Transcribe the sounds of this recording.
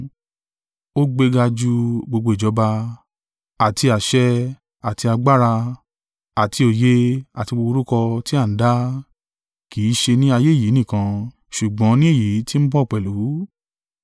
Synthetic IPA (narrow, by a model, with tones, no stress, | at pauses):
o˦ɡ͡be˧ɡa˧d͡ʒu˧ɡ͡bo˧ɡ͡bo˧i˨d͡ʒɔ˨˦ba˧ | a˨ti˧a˨ʃɛ˧ | a˨ti˧a˧ɡ͡ba˦ɾa˧ | a˨ti˧o˨je˦a˨ti˧ɡ͡bo˧o˧ɾu˦kɔ˧ti˦a˦˨n̩˦da˦ | kiː˨˦ʃe˧nĩ˦a˧je˦˨ji˨˦nĩ˦˨kã˧ | ʃu˨ɡ͡bɔ̃˨˦nĩ˦e˦˨ji˨˦ti˦m̩˦bɔ˦˨k͡pɛ˨lu˨˦